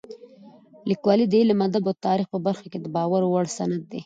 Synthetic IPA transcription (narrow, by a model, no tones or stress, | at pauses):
likwɑlid̪əilamad̪abat̪ɑɾixpəbaɾxaked̪əbɑwaɾowaɽsanad̪̚ːe